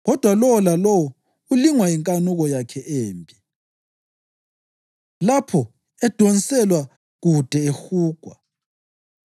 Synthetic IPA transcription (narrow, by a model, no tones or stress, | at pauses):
ɣɔd̥ʱwalɔwɔlalɔwɔ | uliŋwaiŋkʼanuɣɔjakʰɛʔeːmbʼi | lapʰɔ | ɛd̥ʱonsɛlwa | ɣud̥ʱɛexuːɡ̥ʱwa